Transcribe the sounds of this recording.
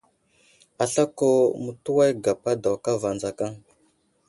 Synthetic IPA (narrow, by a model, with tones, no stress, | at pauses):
a˨ɬa˦ko˦mu˨tu˦wa˦jɡa˨pa˦da˨wka˦va˨nd͡za˨ka˦ŋ